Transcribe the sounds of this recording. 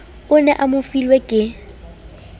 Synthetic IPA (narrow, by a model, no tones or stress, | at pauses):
ʊnɛʔamʊfilwɛkʼɪ